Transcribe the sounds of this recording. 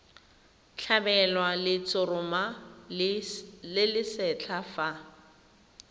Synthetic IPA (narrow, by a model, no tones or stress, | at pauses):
t͡ɬʰabɛlwalɪt͡sʊrʊma | lɪlɪsɛt͡ɬʰafa